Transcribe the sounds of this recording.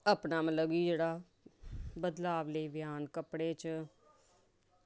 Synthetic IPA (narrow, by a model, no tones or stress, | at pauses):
əpnaːmələɡiːd͡ʒeːɽaː | bəd̪laːʋləiːbɪjaːnkəpɽeːt͡ʃ